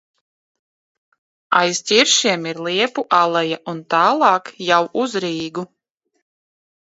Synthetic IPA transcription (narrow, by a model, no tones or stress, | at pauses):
ajzt̪ʲiɾʃiɛmiɾlˠiɛpuʔalˠɛjaʔunt̪aːlˠɑːkjawʔuzɾiːɡu